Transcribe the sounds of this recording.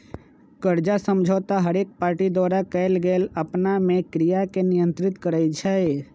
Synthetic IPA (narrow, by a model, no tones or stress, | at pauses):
kəɾd͡ʒasə̃md͡ʒʱɔːt̪aɦəɾeːk̚paːɾʈid̪waːɾakɛɪlɡeːləpnamẽkɾijakenɪjə̃nt̪ɾɪt̪kəɾəit͡ʃʰɛ